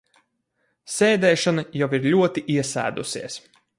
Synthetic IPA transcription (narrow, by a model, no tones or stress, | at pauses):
sʲɛːd̪ɛːʃanɐjawiɾlʲuɔt̪iʔiɛsæ̰ːd̪ṵsiɛs